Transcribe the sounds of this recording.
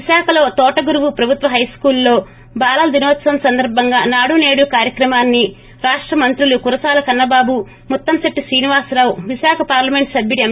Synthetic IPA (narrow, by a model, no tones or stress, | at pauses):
iʃaːkʰɐlo̞ːt̪ɔːʈɐɡuɾuʋupɾɐbʱut̪ʋɐɦɐjskuːlːo̞ː | baːlɐld̪inoːt̪sɐmsɐnd̪ɐɾbʱɐŋɡaːnaːɽune̞ːɽukaːɾjɐkɾɐmaːnːi | ɾaːʂʈɾɐmɐnt̪ɾulukuɾɐsaːlɐkɐnːɐbaːbu | mut̪ːɐmsɐʈːisɾiːniʋaːsɾaːwʋiʃaːkʰɐpaːɾlɐme̞ɳʈsɐbʱjiɽiɐm